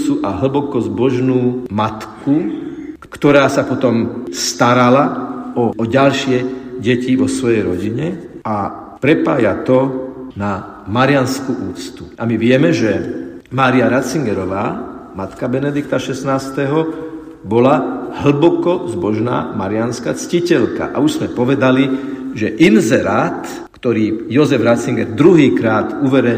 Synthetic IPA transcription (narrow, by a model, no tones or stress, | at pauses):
suʔaɦl̩bɔkɔzbɔʒnuːmat̪kukkt̪ɔɾaːsapɔt̪ɔmst̪aɾalaɔɔɟalʃɪɛɟɛciʋɔsʋɔjɛjɾɔɟiɲɛa | pɾɛpa̰ːjat̪ɔna | maɾɪanskuʔuːt͡st̪uʔamiʋɪɛmɛʒɛmaːɾiaɾat͡siŋɡɛɾɔʋaːmat̪kabɛnɛd̪ikt̪aʃɛsnaːst̪ɛɦɔ | bɔlaɦl̩bɔkɔzbɔʒna̰ːmaɾɪanskat͡scicɛlka̰ʔa̰uʒz̥mɛpɔʋɛd̪aliʒɛʔinzɛɾat̪ | kt̪ɔɾiːjɔzɛvɾat͡siŋɡɛɾd̪ɾuɦiːkɾaːt̪uʋɛɾɛ